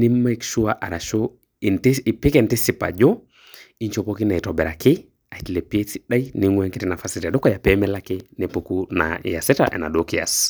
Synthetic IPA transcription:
ni˦mma˦i˦kʃu˦aʔa˨ɾa˨ʃo˦ | i˨nti˨pɪ˦kɛ˨nti˦si˨pa̰˨d͡ʒɔ˦ | i˦ɲt͡ʃo˨po˦ki˦na˨i˨tɔ˨bɛ˨ɾa˨kɪ˦ | a˨i˨ti˨le˨pe˦si˦ɗa˦ini˨ŋwɛ˦ŋke˦ti˦na˨fasita˨do˦kɔ˦ja˨pɛmɛla˦kɪ˦ne˨pukuna̰ja˨sɛ˦ta̰ʔɛ̰˨na̰˨dokia̰s

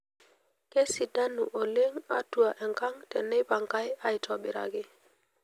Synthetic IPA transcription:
ke˦si˨da˦nːṵ˨ʔo˨le˦ŋa̰˦tu˨a˨ʔe˨ŋka˦ŋte˨nːe˦jba˨ŋka˦ja˨jtʰo˨bi˨ɾa̰˨ɡi˦

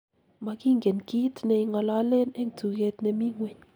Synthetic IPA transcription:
ma˨˧ki˦ŋɡe˨nki˦tnɛ˨i˧ŋɔ˨la˦le˦nɛ˦ŋ˨tu˨ke˧tnɛ˨mi˦ŋwe˨ɲ

